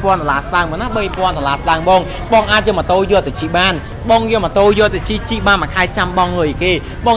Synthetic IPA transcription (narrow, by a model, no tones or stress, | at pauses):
pŏənt̪olaːslaəŋmonahɓəjpŏənt̪olaːslaəŋɓɔːŋ | ɓɑːŋʔaːc̚jəmət̪oːjɔ̆ət̪ʰːat͡ɕiːɓaːn | ɓɑːŋjəmət̪oːjɔːlt̪ːat͡ɕit͡ɕiːɓaːnmakʰaɛt͡ɕamɓɑŋlɨəjkeː | ɓɑː